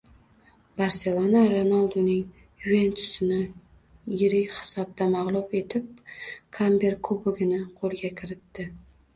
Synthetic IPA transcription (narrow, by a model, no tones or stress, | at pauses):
baɾse̞lˠonaɾenɑlˠd̪ʊnɪŋ | jue̞nt̪ʰʊ̥sɪnɪ | jɪɾɪkʲχɪ̥sɒb̚d̪amaʁlˠʊpe̞t̪ʰɪp̚kʰambe̞ɾkʰobʊɡʲɪnɪqʰolˠɡʲakʲʰɪɾɪt̪ːɪ